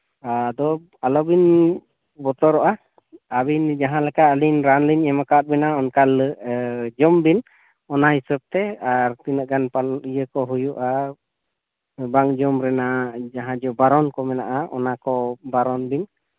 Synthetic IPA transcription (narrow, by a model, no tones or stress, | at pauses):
ad̪ɔ | alɔbin | bɔt̪ɔɾɔʔa | abind͡ʒaɦãlɛkaəlinɾanliɲɛmakat̪̚bɛnaɔnkal | d͡ʒɔmbin | ɔnaɦisəb̚t̪ɛaɾt̪inəʔ̚ɡanpalijəkɔɦujuʔa | baŋd͡ʒɔmɾɛnad͡ʒaɦãd͡ʒɔbaɾɔnkɔmɛna̰ʔaʔɔ̰nakɔbaɾɔnbin